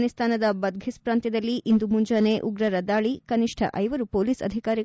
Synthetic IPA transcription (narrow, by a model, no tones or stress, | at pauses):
nist̪ʰaːnɐd̪ɐbɐd̪̚ɡʱispɾaːnt̪jɐd̪ɐlːiʔind̪umuɲd͡ʒaːneːʔuɡɾɐɾɐd̪aːɭikɐniʂʈʰɐ̰ʔɐjʋɐɾupoːliːsɐ̰d̪ʱikaːɾi